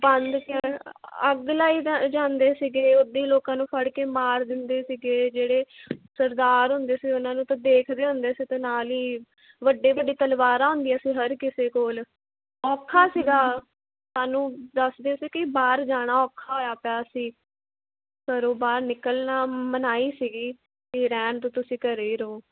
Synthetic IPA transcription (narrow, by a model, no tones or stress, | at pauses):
bənd̪keəɡlaːiːd͡ʒãːnd̪eːsiɡeːod̪iːloːkãːnũːpʰəɽkeːmaːɾd̪ɪnd̪eːsiɡeːd͡ʒeːɽeːsəɾd̪aːɾɦʊ̃nd̪eːsiːʊnãːnũːt̪ãd̪eːkʰd̪eːɦʊ̃nd̪eːsiːt̪ẽːnaːliː | ʋəɖːeːʋəɖːiːt̪əlʋaːɾãːɦʊ̃nd̪iːaːsiːɦəɾkɪseːkoːl | ɔːkʰaːsiːɡaː | saːnũːd̪əsd̪eːsiːkɪbaːɾd͡ʒaːɽ̃aːɔːkʰaːɦoːjaːpaːsiː | səɾoːbaːɾnɪkəlnaːmənaːiːsiːɡiː | eːɾɛ̃ːnt̪oːt̪ʊsĩːkəɾeiːɾəoː